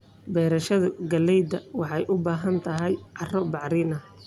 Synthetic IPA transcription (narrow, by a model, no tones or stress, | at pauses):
bɛːɾɐʃɐðɐɡɐlːɛjd̪ɐwɑħɑjʔʊbaːɦɐnt̪ʰɐɦɛjʕɑrɔbɑʕɾɪnɐ